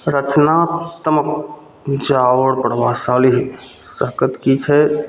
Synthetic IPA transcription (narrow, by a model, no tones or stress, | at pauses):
ɾət͡ʃnat̪əmək | d͡ʒaʋəɽpɾəʋasaliɦ | səɦkət̪kit͡ʃʰɛ